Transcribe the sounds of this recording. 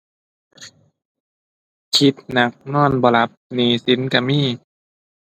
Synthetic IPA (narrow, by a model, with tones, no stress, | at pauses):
kʰi˧˦t̪̚na˧˦k̚nɔː˧˥˩nbɔː˧la˧˦p̚niː˧˩si˨˦nka˧miː˧˥˨